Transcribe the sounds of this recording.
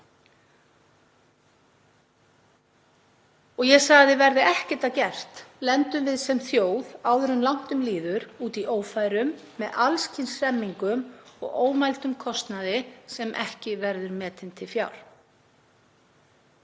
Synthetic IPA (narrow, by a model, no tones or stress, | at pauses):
ɔɣjɛsaɣðɪvɛɾðɪʔɛhcɪ̥t̪acɛr̥t̪lɛnt̪ʏmvɪðsɛmθjoːwðawðʏɾʏnlawn̥t̪ʏmliːðʏɾuːt̪iʔoːwfajɾʏmː | ɛðalscʰɪnsɾɛmːiŋkʏmɔ̰ɣoːwmajlt̪ʏmkʰɔst̪naðɪsɛmʔɛhcɪvɛɾðʏɾmɛːt̪ɪnt̪ʰɪlfjawɾ̥